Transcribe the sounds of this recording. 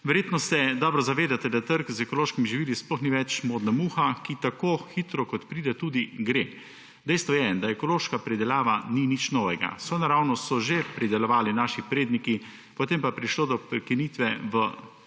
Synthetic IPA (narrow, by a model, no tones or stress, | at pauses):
ʋɛɾjeːt̪nɔsɛd̪ɔːbɾɔzaʋeːd̪at̪ɛd̪at̪əɾkzɛkɔloːʃkimiʒiʋiːlisplɔxniʋɛt͡ʃmoːd̪namuːxakit̪akoːxit̪ɾɔkɔt̪pɾiːd̪ɛt̪uːd̪iɡɾe | d̪ɛjst̪ʋɔjɛd̪aɛkɔloːʃkapɾid̪ɛljaːʋaninit͡ʃnɔːʋɛɡa̰sʋoːjnaɾawnɔsɔʒepɾid̪ɛlɔʋaːlinaːʃipɾeːd̪niki | pɔt̪eːmpapɾiʃloːd̪ɔpɾɛkiniːt̪ʋɛʋə